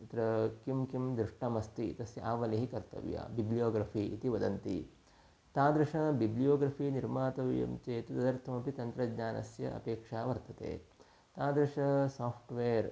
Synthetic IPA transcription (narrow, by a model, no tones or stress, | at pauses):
ɐt̪ɾɐkimkimd̪ɾɪʂʈɐmɐst̪it̪ɐsjɐʔaːʋɐliɦikɐɾt̪ɐ̰ʋja̰ːbiblijoːɡɾɐfiit̪iʋɐd̪ɐnt̪ḭ | t̪aːd̪ɾɐʂɐbiblijoːɡɾɐfiːniɾmaːt̪ɐʋjɐ̰mt͡ʃeːt̪ud̪ɐd̪ɐɾt̪ʰɐmɐpit̪ɐnt̪ɾɐd̪ɲaːnɐ̰sjɐ̰ɐ̰peːkʂaːʋɐɾt̪ɐt̪ḛː | t̪aːd̪ɾɐʂɐsaːpʰʈʋeːɐɾ